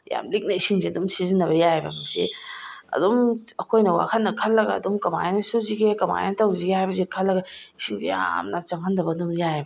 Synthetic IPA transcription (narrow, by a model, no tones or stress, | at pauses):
ja̰mlik̚nɐisiŋziɐdumsizinːɐbɐjajbɐ̰mɐŋsḭɐ̰domɐkʰojnɐwa̰kʰɐnːɐkʰɐlːɐɡɐ̰ːdomkɐma̰jnɐsuziɡekɐma̰jnɐtɐwziɡehajbɐzekʰɐlːɐɡɐisʰiŋzḛja̰mnɐt͡ʃɐŋɦɐndɐbɐduŋjajbɐ